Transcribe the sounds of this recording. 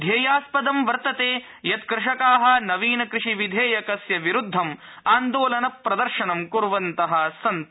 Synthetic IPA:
d̪ʱeːjaːspɐd̪ɐmʋɐɾt̪ɐt̪eː | jɐt̪kɾɪʂɐkaːɦɐ̆nɐʋiːnɐkɾɪʂiʋid̪ʱeːjɐkɐsjɐʋiɾud̪ʱːɐm | aːnd̪oːlɐnɐpːɾɐd̪ɐɾʃɐnɐmkuɾʋɐnt̪ɐɦɐsɐnt̪

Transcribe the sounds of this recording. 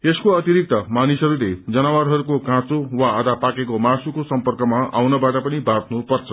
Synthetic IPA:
eskoʌt̪iɾik̚t̪ʌmanisɦʌɾuled͡zʌnawarɦʌɾukokãt͡sowaːd̪ʱapakekomasukosʌmpʌrkʌmaa̰wnʌbaʈʌpʌnibʱart̪ʰnupʌrt͡sʰʌ

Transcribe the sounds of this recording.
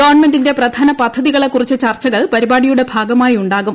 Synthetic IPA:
ɡɐʋɐrɳme̞ndinde̞prɐd̪ʱaːnɐpɐd̪ʱːɐðiɣɐɭe̞kːurit͡ɕːɨt͡ɕɐrt͡ɕɐɣɐɭpɐɾibaːɽijuɽe̞bʱaːɡɐmaːjiuɳɖaːɣum

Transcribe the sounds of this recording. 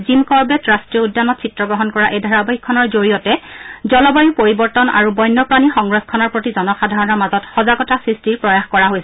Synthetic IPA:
zimkɔɹbɛtɹastɹiɔudːanɔtsʰitːɹɔɡɹɔɦɔnkɔɹaʔejdʱaɹabajikʰːɔnɔɹzoɹijɔtɛzɔlɔbajupoɹibɔɹtɔna̰ɹubɔjnːɔpɹanixɔŋɡɹɔskʰɔnɔɹpɹotizɔnɔxadʱaɹɔnɔɹmazɔtxɔzaɡɔtasɹistiɹpɹɔjaxkɔɹaɦojsɛ

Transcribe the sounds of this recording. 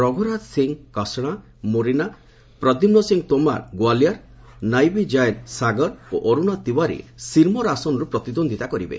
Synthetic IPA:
ɾɔɡʱɔɾat̪siŋkɔsɽ̃a | moɾina | pɾɔd̪imnɔsiŋt̪oma̰ɾɡwaljaɾ | najbid͡ʒajɾsaɡɔɾoʔɔɾuñat̪iwaɾḭsiɾmɔɾasɔnɔɾupɾɔt̪id̪ond̪ʱit̪akɔɾibḛ

